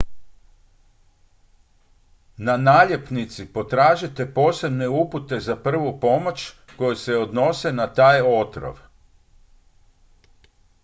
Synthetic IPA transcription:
nanaːʎe̞pnit̪sipo̞t̪ɾaːʒit̪e̞po̞ːse̞bne̞uput̪e̞zapr̩ʋupo̞mo̞t͡ʃ | ko̞jese̞o̞d̪no̞se̞nat̪aːjo̞t̪ɾo̰ʋ

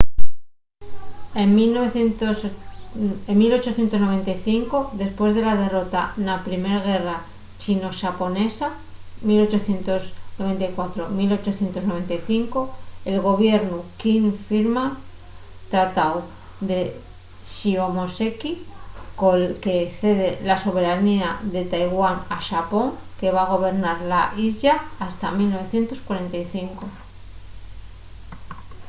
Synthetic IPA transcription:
emilnoβeθnt̪os | emmilo̞t͡ʃo̞θje̞nt̪o̞zno̞β̞e̞nt̪ajθiŋkoðe̞spwe̞zðe̞lað̞e̞ro̞t̪anapɾime̞ɾɣ̞e̞ra | t͡ʃino̞ʃapo̞ne̞sa | milo̞t͡ʃo̞θje̞nt̪o̞zno̞βe̞nt̪ajkwat̪ɾo̞milo̞t͡ʃo̞θje̞nt̪o̞zno̞β̞e̞nt̪ajθiŋkoe̞lɣo̞β̞je̞ɾnukinfiɾma | t̪ɾat̪aw | ðe̞ | ʃio̞mosekikoke̞θe̞ðelaso̞β̞e̞ɾaniaðe̞t̪ajɣwanaʃapo̞ŋke̞β̞aɣ̞o̞β̞e̞ɾnaɾlaʔiʎaːst̪amilno̞β̞e̞θje̞nt̪o̞skwaɾe̞nt̪ajθiŋko̞

